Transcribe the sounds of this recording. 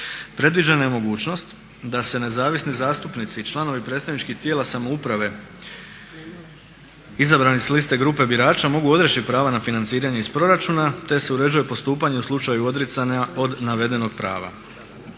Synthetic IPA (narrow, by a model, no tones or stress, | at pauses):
pɾe̞d̪ʋid͡ʒanajemo̞ɡuːt͡ʃno̞st̪ | d̪ase̞ne̞zaːʋisnizaːst̪upnit̪sit͡ʃlˠano̞ʋipɾet̪st̪aʋnit͡ʃkixt̪jeːlˠasamo̞upɾaʋe̞ | izabɾanislist̪e̞ɡɾuːpe̞biɾaːt͡ʃamo̞ɡuo̞d̪ɾet͡ʃitpɾaːʋanafinansiːɾaɲe̞ispɾo̞ɾat͡ʃunat̪e̞se̞uɾe̞d͡ʒujepo̞st̪uːpaɲe̞uslˠut͡ʃajuo̞d̪ɾet̪sanao̞d̪naʋe̞d̪e̞no̞ɡ̚pɾa̰ːʋa̰